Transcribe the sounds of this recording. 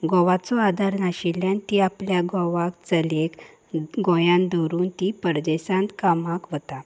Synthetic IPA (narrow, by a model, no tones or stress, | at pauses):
ɡɔʋat͡sɔad̪ʱaɾnaɕiljãnt̪iapljaɡɔʋakt͡səlek | ɡɔ̃jãnd̪ɔɾuːnt̪ipəɾd̪esãnt̪kamakʋət̪a